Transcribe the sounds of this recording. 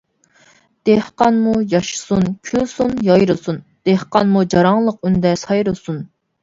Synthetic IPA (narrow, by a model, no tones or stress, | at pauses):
d̪̥ehqɑnmujɑʃɨ̥sunkʲʰylsunjɑjɾɨsund̪̥ehqɑnmud͡ʒɑɾɑŋlˠəqynd̪ɛsɑjɾɨsun